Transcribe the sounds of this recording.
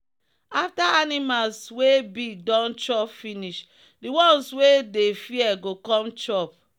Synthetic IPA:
aftaanimalswebiɡ̚dɔ̃nt͡ʃɔpfiniʃ | diwɔ̃nswedefiɛɡokɔ̃mt͡ʃɔp̚

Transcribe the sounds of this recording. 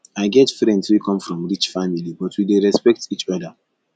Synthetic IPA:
aɪɡɛtfɾɛ̃ndswikʰɔ̃mfɾɔ̃mɹit͡ʃfamilibɔtwideɾɛspɛk̚tit͡ʃɔda

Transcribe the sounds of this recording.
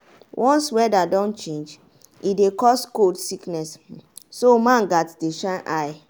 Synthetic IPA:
wʔɔ̃nswɛdadɔ̃nt͡ʃẽnd͡ʒ | idekɔskodsiknɛsː | omãnɡatdeʃãnʔaɪ

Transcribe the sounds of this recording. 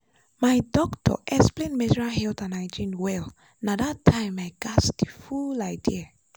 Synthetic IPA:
majdɔktʰɔ̰ʔɛsplẽnmɛd͡ʒɹaɦɛltãnaɪd͡ʒĩnwɛl | nadatʰːãɪ̃majɡasdifulaɪdia

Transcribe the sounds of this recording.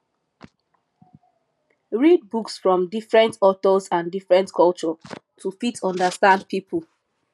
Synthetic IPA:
ɹid̚buksfɹɔ̃mdifɹɛ̃ntɔtɔzãndifɹɛ̃ntkʰɔlt͡ʃɔtʰufitɔ̃ndəstãnd̚pipʰul

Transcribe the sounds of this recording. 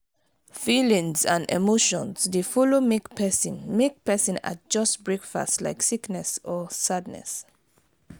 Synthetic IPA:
filĩŋzãnɛ̰moʃɔ̃nzdefɔlomekpʰɛsĩnmek̚pɛsĩna̰d͡ʒʌstbɹekfa̰stla̰ɪksiknɛsɔsad̚nɛ̰s

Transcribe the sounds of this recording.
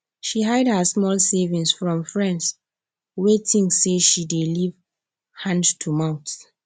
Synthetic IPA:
ʃiɦaɪdhəsmɔlsevĩŋsfɹɔ̃mfɹɛ̃nds | wetʰĩŋseʃideliv | hãndtʰumãʊ̃nts

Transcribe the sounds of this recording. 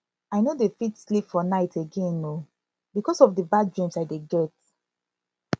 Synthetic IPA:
aɪnodefitslipfɔnaɪtʰeɡẽno | bikɔsɔfdəbadɹĩmsaɪdeɡɛt̚

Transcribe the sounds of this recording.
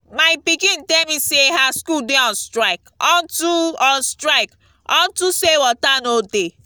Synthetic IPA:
maɪpikĩntemiseɦaskudeɔ̃nstɾaɪkɔ̃ntuɔnstɾaɪk | ɔ̰̃ntusewɔtanode

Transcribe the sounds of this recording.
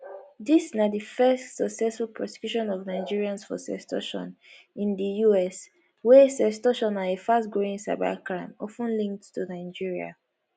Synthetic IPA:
disnadifɛstsɔksɛsfulpʰɹɔsɛ̥kjuʃɔ̃nɔvnaɪd͡ʒiɹiãnsfɔ̰sɛ̰stɔ̰ʃɔ̰̃n | ĩndəjuɛs | wɛsɛstɔʃɔ̃naefastɡɹoĩŋsa̰ɪba̰kɹãɪ̃mɔfə̃nlĩŋk̚ttunaɪd͡ʒiɹia̰

